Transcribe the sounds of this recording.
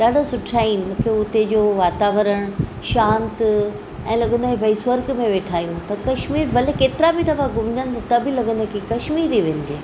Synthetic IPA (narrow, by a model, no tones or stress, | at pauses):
ɗaːɖʱosʊʈʰaːinɪ̆mũːkʰeʊt̪ed͡ʑoːʋaːt̪aːʋəɾəɽ̃ | ʃãːnt̪ | ɛ̃ːlɐɡə̃nd̪okibʱɐiswəɾkmẽʋeːʈʰaːijũt̪ɐkɐʃmiːɾbʱɐlekeːt̪ɪɾabʱid̪ɐfaɡʊmɪd͡ʑənɪ̆t̪ʰɐt̪ɐbʱɪlɐɡə̃nd̪okʰikɐʃmiːɾiʋẽɲɪd͡ʑeː